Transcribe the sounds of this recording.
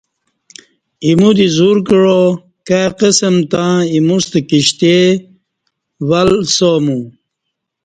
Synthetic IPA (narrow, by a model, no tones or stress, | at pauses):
imud̪izuɾkɻo | kaqesəmt̪ãimust̪əkiɕt̪e | walsomu